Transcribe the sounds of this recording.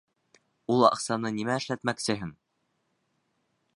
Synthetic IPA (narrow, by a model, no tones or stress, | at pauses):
ulˠɑ̰qsɑnɤnimæɘ̆ʃlæt̪mæksɘ̆ɦɘn